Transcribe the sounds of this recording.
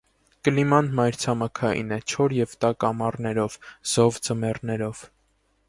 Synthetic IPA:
kəlimɑnmɑjɾt͡sʰɑmɑkʰɑjḭnɛt͡ʃʰɔɾjɛvt̪ɑkɑmɑrnɛɾɔvz̥ɔvd͡zəmɛrnɛɾɔv̥

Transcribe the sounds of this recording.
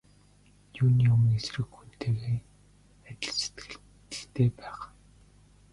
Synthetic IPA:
juːniʊmŋesrɘ̆xxun̥t̪ʰeːɣeː | æt̪ʲɪ̆ɮse̥t̪ɡɘ̆ɮ̆ | ɬt̪eːpæːχ

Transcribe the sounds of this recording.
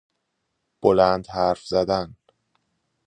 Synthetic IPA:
b̥olænd̪hæɾfzæd̪æn

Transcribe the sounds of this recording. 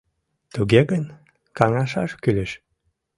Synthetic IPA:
t̪uɡeɡən | kɑŋɑʃɑʃkylʲəʃ

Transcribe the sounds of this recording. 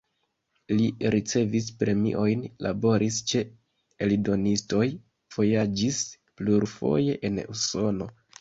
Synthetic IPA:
liɾit͡se̞vispɾe̞mḭʔo̞jnla̰bo̞ɾist͡ʃe̞ | elido̞nisto̞j | v̥o̞jad͡ʒis | pluɾfo̞̰je̞ʔenuso̞no̞

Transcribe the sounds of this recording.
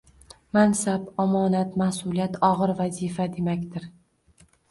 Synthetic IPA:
mansabɒmɒːnat̪mahsʊlˠijat̪ʰɒʁɨɾvazifad̪e̞makʲt̪ɪɾ

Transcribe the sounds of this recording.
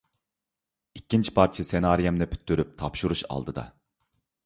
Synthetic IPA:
ikʲʰːint͡ʃʰi̥pʰɑɾt͡ʃʰisenɑːɾijɛmnɛpʰy̥t̪ʰːyɾyp̚t̪ʰɑpʃuɾuʃɑ̰lˠd̪ɯd̪ɑ̰

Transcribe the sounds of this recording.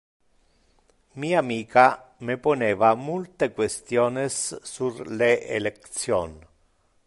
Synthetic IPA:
miːaːmiːkameponeːvamult̪ekwest̪joːnɪsːulleʔḛlekt̪sjoːn

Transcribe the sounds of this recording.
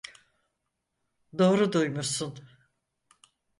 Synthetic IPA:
d̪o̞ːɾud̪ujmusun

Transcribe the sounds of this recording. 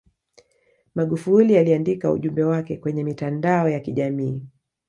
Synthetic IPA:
maɠufulialiandikaṵʄumbɛwakɛkwɛɲɛmitandaɔjakiʄamiː

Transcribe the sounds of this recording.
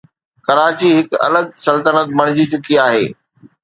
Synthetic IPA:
kɐɾaːt͡ɕiɦɪkɐ̰ləɡ̚sɐlt̪ənət̪̚mɐɽ̃ɪd͡ʑit͡ɕʊkiaːɦḛː

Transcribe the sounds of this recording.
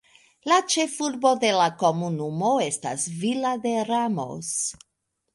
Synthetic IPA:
lat͡ʃe̞fuɾbo̞d̪e̞lako̞munumo̞e̞sta̰svilad̪e̞ɾamo̰s

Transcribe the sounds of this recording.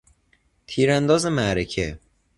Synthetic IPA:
t̪ʰiːɾænd̪ɒːzemæɾecʰe

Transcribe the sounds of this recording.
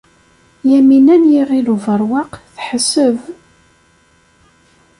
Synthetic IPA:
jæminænjiʁiluvəɾˤwɑqθħəsəv

